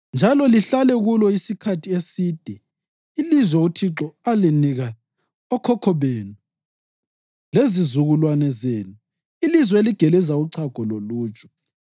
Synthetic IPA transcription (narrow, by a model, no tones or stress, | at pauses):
nd͡ʒʱalɔliɬalɛɣulɔisikʰatʰiesiːd̥ʱɛ | ilizwɛutʰiǁɔaliniɣa | ɔkʰɔkʰɔβeːnu | lezizuɣulwanɛzeːnu | ilizwɛeliɡ̥ʱɛlɛzauǀʰaɡ̥ʱɔloluːt͡ʃʼɔ̥